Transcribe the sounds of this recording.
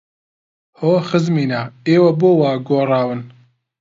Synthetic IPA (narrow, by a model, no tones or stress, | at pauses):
hoːxɨzmiːnaeːwɐboːwaːɡoːrˤɑːwɨn